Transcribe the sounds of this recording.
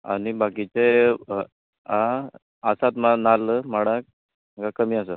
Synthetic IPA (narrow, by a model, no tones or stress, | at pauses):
a̰ɽ̃ibakit͡se | ã | asat̪manaləməɽak̚ | məkakəmias̬ə